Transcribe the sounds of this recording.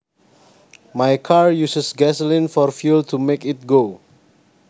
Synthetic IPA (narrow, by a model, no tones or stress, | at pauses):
majkʰaɹjusəsɡɛsəlĩnfɔɹfjultʰumekɪt̚ɡo